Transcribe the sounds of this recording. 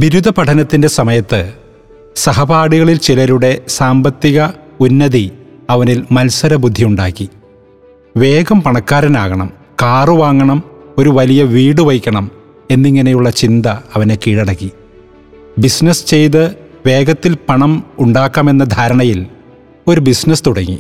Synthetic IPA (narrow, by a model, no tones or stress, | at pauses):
biɾud̪ʱɐpɐʈʰɐnɐt̪ːinde̞sɐmɐjɐt̪ːɨ | sɐɦɐbaːɽiɣɐɭilt͡ɕilɐɾuɽe̞saːmbɐt̪ːiɣɐunːɐðiɐʋɐnilmɐlsɐɾɐbud̪ʱːijuɳɖa̰ːkːi | ʋe̞ːɡɐmpɐɳɐkːaːɾɐnaːɣɐɳɐ̰m | kaːrɨʋaːŋːɐɳɐmo̞ɾuʋɐlijɐʋiːɽɨʋɐjkʲːɐɳɐm | e̞nːiŋːɐne̞juɭːɐt͡ɕind̪ɐɐʋɐne̞kiːɽɐɽɐkːi | bisnɐst͡ɕe̞jt̪ɨʋe̞ːɡɐt̪ːilpɐɳɐmuɳɖaːkːame̞nːɐd̪ʱaːɾɐɳɐjil | o̞ɾubisnɐst̪uɽɐŋːḭ